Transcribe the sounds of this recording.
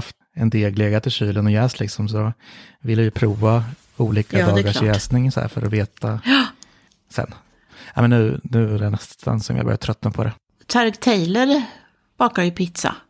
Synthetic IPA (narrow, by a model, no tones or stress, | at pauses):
haft̪ | ɛnd̪eːɡleːɡat̪ʰɪlɕyːlənɔjɛːslɪksɔms̬ɔvɪlːɛjɵpʰɾuːva | uːliːkad̪ːɑːɡaʂjɛːsnɪŋsɔæ̰ːɾfœ̰ɾɔ̰veːt̪a | sɛ̰nː | amɛnːʉ̟ːnʉ̟ːædɛnɛst̪ʰa̰nsɔmjɑ̰bœ̰ɾjat̪ʰɾœt̪ːnapʰɔd̪ɛ | t̪ʰaɾɡt̪ʰɛjləɾ | b̥ɑːkaɾjɵpʰɪt̪sa̰